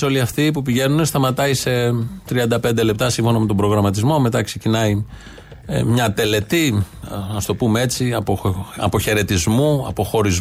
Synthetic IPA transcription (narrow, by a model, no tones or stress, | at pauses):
o̞liɐft̪ipupiʝe̞nunest̪ɐmɐt̪ɐise̞t̪ɾiɐnd̪ɐpe̞nd̪ele̞p̚t̪ɐsiɱfo̞nɐme̞t̪o̞bɾo̞ɣɾɐmɐt̪izmo̞me̞t̪ɐkse̞cinɐḭ | mɲɐt̪e̞le̞t̪iɐst̪o̞pumee̞t͡siɐpoɐ̰po̞çe̞ɾe̞t̪izmuɐ̰po̞xo̞ɾiz